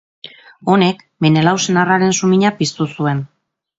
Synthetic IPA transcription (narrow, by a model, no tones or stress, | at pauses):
o̞ne̞k | menelawsenaraɾe̞nsumiɲapist̪usue̞n